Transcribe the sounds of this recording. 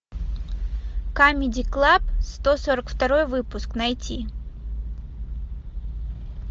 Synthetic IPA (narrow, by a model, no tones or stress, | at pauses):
kamʲɪdʲɪklˠapst̪osoɾəkft̪ɐɾo̞jvɨpʊsknɐjtʲi